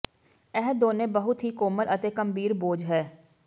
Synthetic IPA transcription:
ɛɦd̪oːnẽːbəɦʊt̪ɦiːkoːmələt̪eːkəmbiːɾboːd͡ʒɦɛː

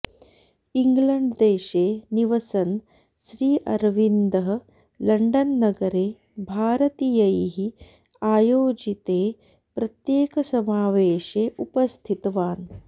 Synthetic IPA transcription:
iŋɡlɐɳɖd̪eːʃeːniʋɐsɐn | ʃɾiːʔɐ̰ɾʋind̪ɐɦɐ | lɐɳɖɐnːɐɡɐɾeː | bʱaːɾɐt̪iːjɐjɦi | aːjoːd͡ʒit̪eː | pɾɐt̪jeːkɐsɐmaːʋeːʃeːʔupɐst̪ʰit̪ɐʋaːn

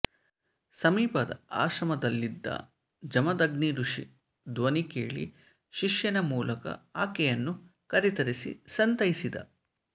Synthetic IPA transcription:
sɐmiːpɐd̪ɐ̰a̰ːʃɐmɐd̪ɐlːid̪ːɐ̰ | d͡ʒɐmɐd̪ɐɡniɾuʂi | d̪ʋɐnikḛːɭḭ | ʃiʂjɐnɐmuːlɐkɐ̰aːkɛjɐnːukɐɾit̪ɐɾisḭsɐnt̪ɐjisid̪ɐ̰

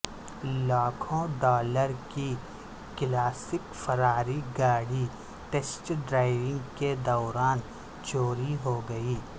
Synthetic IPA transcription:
laːkʰõɖɔːləɾki | klaːsɪkfʰɐɾaːɾiɡaːɽi | ʈesʈɖɾaːɪʋɪ̃ŋɡked̪ɔːɾaːn | t͡ʃoːɾiɦoɡɐiː

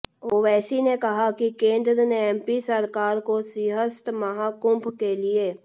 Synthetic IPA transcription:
oːʋɛːsinekɐɦakikẽːnd̪ɾneɛ̃ːmpisəɾkaːɾkosiɦəst̪mɐɦaːkʊ̃mpʰkelieː

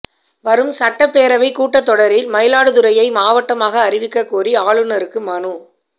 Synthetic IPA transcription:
ʋɐɾɯmsɐʈːɐpːeːɾɐʋɐɪkuːʈːɐt̪ːɔɽɐɾɪlmɐjɪlaːɽɯðɯɾɐjɐɪmaːʋɐʈːɐmaːɣɐːɾɪʋɪkːɐkːuːriaːɭɯnɐɾɯkːɯmɐnɯ

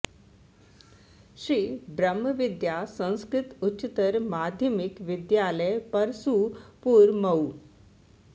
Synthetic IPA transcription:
ɕiːbɾəmːəʋid̪jasə̃w̃skɾit̪ut͡ɕit̪əɾmad̪ʱjəmikʋid̪jalepəɾsuːpuːɾməw

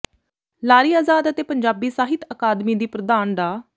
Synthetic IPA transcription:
laːɾiːaːzaːd̪ət̪eːpəɲd͡ʒaːbiːsaːɦɪt̪əkaːd̪miːd̪iːpɾəd̪aːnɖ̪aː

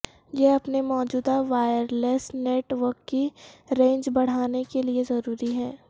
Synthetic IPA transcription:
jeɐpnemɔːd͡ʒuːd̪aʋaːjəɾleːsneːʈʋəɾkːiɾẽːɲd͡ʒbɐɽ̤aːnekeliezɐɾuːɾiɦɛː

